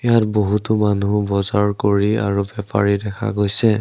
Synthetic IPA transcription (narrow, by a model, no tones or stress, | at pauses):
ijatboɦutumanubɔzaɹkoɹia̰ɹubɛpa̰ɹidɛkʰa̰ɡojsɛ